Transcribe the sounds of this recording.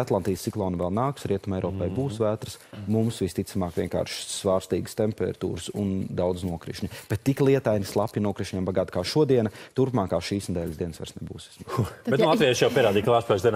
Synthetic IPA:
at̪lˠant̪ijsːiklˠɔːnuvɛlˠnaːksɾiɛt̪umɛjɾɔːpɛjbuːsvæːt̪ɾəsmumsvist̪it̪samaːkʋʲiɛŋka̰ːɾʃsʋaːɾst̪iːɡə̥st̪empɛ̰ɾt̪ṵːɾəsṵnd̪awd̪əsnuɔkɾḭʃɲʲib̥ɛt̪ːiklˠiɛt̪ajnislˠapjinuɔkɾiʃɲɛmbaɡaːt̪kaːʃuɔd̪iɛnɐt̪uɾpmaːkaːʃiːsnɛd̪ɛːlʲzd̪iɛnəsʋa̰ɾsnebuːse̥sbet̪nlˠɑt̪vijaʃjawpiɛɾaːd̪iːklˠaːspɛzd̪ɛn

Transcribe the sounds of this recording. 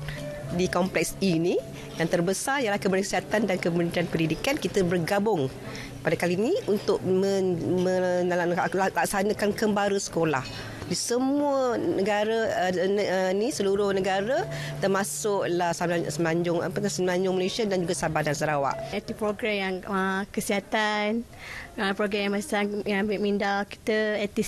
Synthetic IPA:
dikɔmplɛk̚sini | jaŋt̪ərbəsarijəlahkəbəɾaŋkəsiɦat̪andankəmunit̪ianpənidikankit̪əbərɡabʊŋ | padakaliniunt̪ʊʔ̚mə̃mə̃ | llaksanə̃kankəmbaɾəsə̥kola̰h | disəmuənəɡaɾənənisəluɾʊhnə̃ɡaɾə | t̪ərmasʊʔ̚lahsasəmlaɲd͡ʒʊŋa̰pəasəməlaɲd͡ʒʊŋmalesiadand͡ʒuɡasabadansəɾawa̰ʔɛt̪ipɾoɡɾɛmjaŋəkəsiɦat̪an | əpɾoɡɛjãmassajaŋambɪʔmindaki̥t̪əɛt̪i

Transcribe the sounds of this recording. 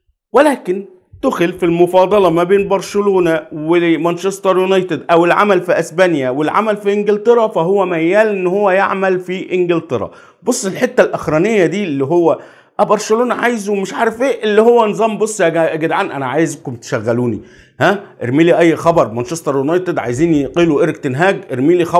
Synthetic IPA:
welæːken | t̪ʊxelfilmofɑːd̪ˤɑlɑmæbeːnbɑɾˤʃeloːnæwemænʃesˤt̪ˤɑɾˤjunɑjt̪ed̪ʔæwelʕa̰mælfiʔæsbænjæwelʕa̰mælfiʔɪŋɡɪlt̪ˤeɾˤɑfæɦowːæmæjːæːlʔenːhowːæjaʕmælfiʔɪnɡɪlt̪eɾˤɑ̰ | bosˤːelħet̪ːælʔæxɾˤænejːæd̪iːʔlːiɦowːæ | ʔæbɑɾˤʃeloːnæʕaːjzwmeʃʕaːɾefeːʔelːihowːænzˤɑmbosˤːjæɡæɡed̪ʕaːnʔænæʕaːjezækʊmt̪ʃæɣːæluːnḭ | hæʔḛɾmiːliʔæjːxɑbɑɾˤmænʃesˤt̪ɑɾˤjunɑjt̪ed̪ʕa̰jziːnqiːluʔeɾekt̪enɦæːɡʔeɾmiːlixɑ

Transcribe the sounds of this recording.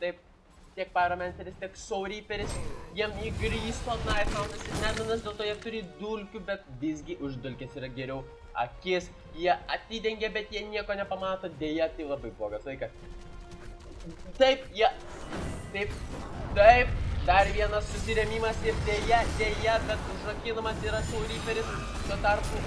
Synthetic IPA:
t̪ɐɪp̚ | t̪ʲiɛk̚pɐlˠɐmʲɛnʲt̪ʲɛɾʲɪst̪ʲiɛksoʊɾʲiːpʲɛɾʲɪsjiɛmiːɡɾʲiːst̪oːnɐɪt̪mɐʊnɐsɪnʲæːbʲɪnɐsd̪ʲeːlˠt̪oːjiɛt̪ʊɾʲiːd̪ʊlʲkʲubʲɛt̪ʋʲɪzʲɡʲɪʔʊʒd̪ʊlʲkʲeːsiːɾɐɡʲɛɾʲɛʊ | ɐkʲɪs | jiɛɐt̪ʲiːd̪ʲɛŋʲɡʲɛbʲɛt̪jiɛnʲiɛkoːnʲɛpɐmɑːt̪oːd̪ʲeːjɛt̪ɐɪlˠɐbɐɪbloːɡɐsʋˠɐɪkɐs | t̪ɐɪpjiɛ | t̪ɐɪpt̪ɐɪp̚d̪ɐɾʋʲiɛnɐssʊsʲɪɾʲɛmʲiːmɐsɪrd̪ʲeːjɛd̪ʲejɛbʲɛt̪ʒnɐkʲɪːnɐmɐsiːɾɐsɛʊɾʲiːpʲɛɾʲɪs | t̪uɔt̪ɐrpu

